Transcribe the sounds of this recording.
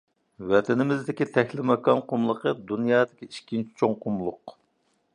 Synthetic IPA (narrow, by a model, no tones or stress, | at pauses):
wɛt̪ʰɛnɪmɪzd̪ɪkʲit̪ʰɛxʲlɪmɛkɑnqʰʊmlˠəqəd̪unjɑːd̪ɪkʲiiʃkʲint͡ʃʰi̥t͡ʃʰoŋqʰʊmlˠʊq